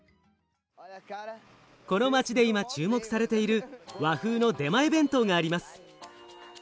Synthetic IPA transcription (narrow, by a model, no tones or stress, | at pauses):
ko̞no̞mat͡ɕid̪e̞imat͡ɕɨːmo̞kɯ̟saɾe̞t̪e̞iɾɯ̟βaɸɯ̟ːno̞d̪e̞maebẽ̞nt̪o̞ŋaːɾʲimasɨ̥